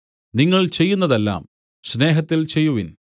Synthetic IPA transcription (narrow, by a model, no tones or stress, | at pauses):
niŋːɐɭt͡ɕe̞jːunːɐðelːa̰ːm | sne̞ːɦɐt̪ːilt͡ɕe̞jːuʋin